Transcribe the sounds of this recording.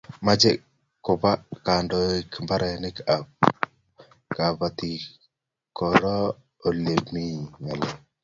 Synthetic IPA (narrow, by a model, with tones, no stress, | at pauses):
ma˦d͡ʒɛ˦ | kːʊ˨βa˦ka˨ndoɪ˦kmba˦ɾa˨nɪ˦ka˨p | ka˨βa˨t̪i˨ | kɔ˨ɾɔ˦ | o˨le˨mi˦ɲa˨lɛ˦